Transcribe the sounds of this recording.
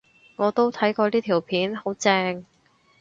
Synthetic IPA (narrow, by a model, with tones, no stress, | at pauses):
ŋɔː˨˧t̪o˥wt̪ʰɐ˨˥jkɔː˧liː˥t̪ʰiː˨˩wpʰiː˨˥nho˨˥wt͡sɛː˧ŋ